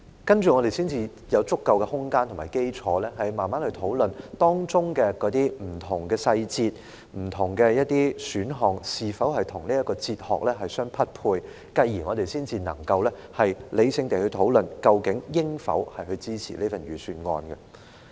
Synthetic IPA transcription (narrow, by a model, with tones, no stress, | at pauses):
kɐ˥nt͡ʃyː˨ŋɔ˨˧ɾe˨jsiː˥nt͡siː˧ | jɐ˨˧wt͡sʊ˥kːɐ˨wkɛ˧hʊ˥ŋkaː˥nt̪ʰʊ˨˩maː˨˩jke˥jt͡ʃʰɔː˨˧˦lɛː˥ɦɐ˨jmaː˨nmaː˦˥nhɵ˧ɥt̪ʰo˨˥wlɵ˨nt̪ɔː˥ŋt͡sʊ˥ŋkɛː˧kɔː˨˥t̪iː˥m̩˨˩t̪ʰʊ˨˩ŋkɛː˧sɐ˧jt͡siː˧t̚ | m̩˨˩t̪ʰʊ˨˩ŋkɛ˧jɐ˥t̚t̪iː˥syː˨˥nɦɔː˨ŋsiː˨fɐ˨˥whɐ˨jt̪ʰʊ˨˩ŋniː˥jɐ˥t̚kːɔː˧t͡siː˧t̚hɔ̰ː˨k̚lɛː˥ɦɐ˨jsœː˥ŋpʰɐ˥t̚pʰuː˧j | kɐ˧jːiː˨˩ŋɔː˨˧ɾe˨jsiː˥nt͡siː˧nɐ̰˨˩ŋkɐ˧wlɛː˥hɐ˨jle˨˧jsɪ˧ŋt̪e˨jhɵ˧ɥt̪ʰo˨˥wlɵ˨nkɐ˧wkɪ˨˥ŋjɪ˥ŋfɐ̰˨˥whɐ˨jɦɵ˧ɥt͡siː˥t͡sʰḭ˨˩liː˥fɐ˨nɥyː˨syː˧nŋɔ̰ː˧nɡɐ˧